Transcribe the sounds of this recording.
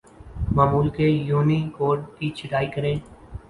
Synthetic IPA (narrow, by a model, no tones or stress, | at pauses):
maːmuːlkejuːnikoːɖkit͡ʃʰɪʈaːikəɾẽː